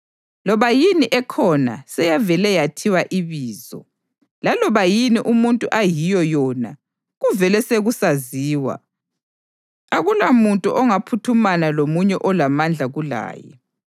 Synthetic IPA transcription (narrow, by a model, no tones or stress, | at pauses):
lɔβajiniʔɛkʰɔna̰sɛjavɛlɛjatʰiwaʔiβiːzɔ̰ | lalɔβajiniʔumuntʼuʔajijɔjɔːna | ɣuvɛlɛseɣusaziːwa̰ | aɣulamuntʼuʔɔŋapʰutʰumanalomuɲɛʔɔlamand͡ɮʱaɣula̰ːjɛ̰